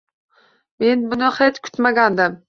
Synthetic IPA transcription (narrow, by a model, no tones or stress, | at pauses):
me̞nbʊnɪχet̪kʰʊ̥t̪maɡʲand̪ɪm